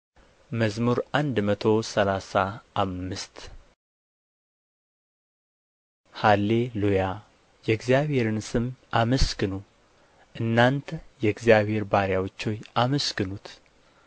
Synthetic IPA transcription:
məzmuɾʔand̪mət̪ʰo̞səlasaːmːɨst̪ | halːe̞luja | jɛɡzjaβhe̞ɾɨnsɨmʔaməskɨnu | ʔɨnːant̪ʰəjɛɡzijaβhe̞ɾbaɾjawot͡ʃːojaməskɨnut̪

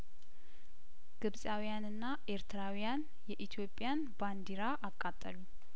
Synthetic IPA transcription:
ɡ̥ɨbsʼawijanɨnːaʔe̞ɾt̪ʰɨɾawijan | jɛʔit̪ʰjo̞pʼːjanband̪iɾaʔakʼːat̪ʼːəlu

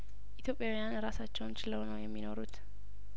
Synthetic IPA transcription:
ʔit̪jo̞pʼːjawijanɾasat͡ʃːɛwnt͡ʃɪləwnəwjɛmːino̞ɾut̪

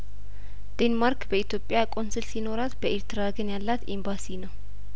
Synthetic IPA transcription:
d̪̥enmaɾkbəit̪jo̞pʼːjakʼo̞nsɨlsino̞ɾat̪bəʔeɾt̪ɨɾaɡənjalːat̪embasinəw

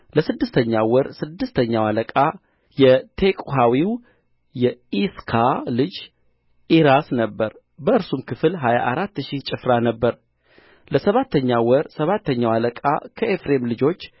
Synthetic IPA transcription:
ləsɨd̪ːɨst̪ʰəɲːawɔɾsɨd̪ːɨst̪ʰəɲːawaləkʼa | jɛt̪ʰe̞kʼuɦawiw | jɛiskʰalɨd͡ʒ | iɾasnəbːəɾ | bəɨɾsumkʰɨfɨlɦajaʔaɾat̪ːʃiht͡ʃʼɪfɾanəbːəɾ | ləsəβat̪ʰːəɲːawɔɾsəβat̪ʰːəɲːawaləkʼa̰kʰəʔefɾe̞mlɨd͡ʒo̞t͡ʃː

